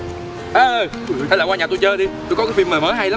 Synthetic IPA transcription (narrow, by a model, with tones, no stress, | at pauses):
ʔəː˨˧˩ | ə˨˦laː˨˩waː˧ɲaː˨˩t̪jt͡ɕəː˧ɗi˧t̪u˧jkɔ˨˦˥kːvi˧˨məː˨˩məː˨˦ɦa˧jla˨˦